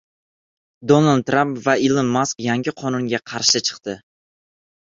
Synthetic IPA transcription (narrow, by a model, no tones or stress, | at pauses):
d̪onalˠd̪̚t̪ːɾampvaɪlɪmːaskjaŋɡʲɪqʰɒnʊŋɡʲaqʰɑɾʃɪt͡ʃʰɨ̥qt̪ɪ